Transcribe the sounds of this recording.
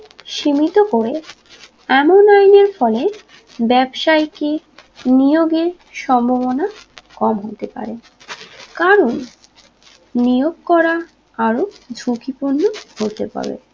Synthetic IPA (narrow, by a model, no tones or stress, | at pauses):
ʃimit̪okoɾe | ɛmonajneɾfɔle | bɛbʃajki | nijoɡeɾ | ʃɔmbʱoβonakɔmɦot̪epa̰ɾe | kaɾon | ijoɡ̚kɔɾa | aɾod͡ʑʱukipunːohot̪epa̰bḛ